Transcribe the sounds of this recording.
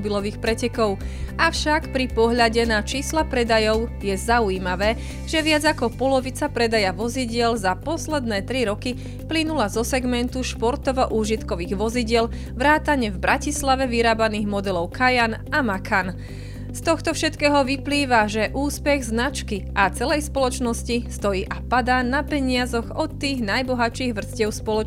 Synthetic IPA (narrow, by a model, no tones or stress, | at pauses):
bilɔʋiːxpɾɛcɛkɔʊʔafʃakpɾipɔɦʎaɟɛnat͡ʃiːslapɾɛd̪ajɔʊjɛzaujiːmaʋɛː | ʒ̥ɛʋɪad͡zakɔpɔlɔʋit͡sapɾɛd̪ajaʋɔziɟɪɛlzapɔslɛd̪nɛːt̪ɾiɾɔki | plinulazɔsɛɡmɛnt̪uʃpɔɾt̪ɔʋɔʔuːʒit̪kɔʋiːɣʋɔziɟɪɛl | ʋɾaːt̪aɲɛvbɾʔacislaʋɛʋiɾaːbaniːɣmɔd̪ɛlɔʊkajan | amakʰan | st̪ɔxt̪ɔfʃɛt̪kɛːɦɔʋipliːʋaʒɛʔuːspɛɣznat͡ʃkiʔat͡sɛlɛjspɔlɔt͡ʃnɔscist̪ɔjiːʔapad̪aːnapɛɲɪazɔɣɔt̪ːiːɣnajbɔɦat͡ʃiːɣʋr̩scɪɛʊspɔlɔ